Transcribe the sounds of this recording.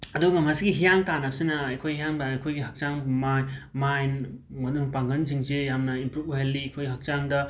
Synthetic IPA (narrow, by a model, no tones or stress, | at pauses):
ɐduɡɐmɦɐsiɡiɦijaŋtanɐp̚sinɐɐjkʰojhijaŋbɐjkʰojɡiɦɐk̚t͡ʃaŋmajmajnmɐnuŋpaŋɡɐnziŋzejamnɐimpɾup̚uɦelːikʰojɡiɦɐk̚t͡ʃaŋdɐ